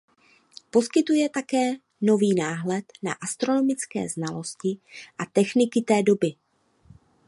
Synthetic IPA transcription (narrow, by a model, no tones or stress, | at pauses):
po̞skɪt̪ujɛt̪akɛː | no̞viːnaːɦlɛt̪na̰ʔast̪ɾo̞no̞mɪt͡skɛ̰ːznalo̞scɪʔat̪ɛxnɪkɪt̪ɛːdo̞bɪ